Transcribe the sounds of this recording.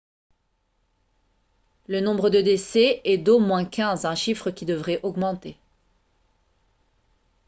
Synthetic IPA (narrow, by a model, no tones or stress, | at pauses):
lənɔ̃bʁəd̪əd̪esɛɛd̪omwɛ̃kʲɛ̃zɛ̃ʃifχəkʲid̪əvʁɛʔɔɡmɑ̃t̪e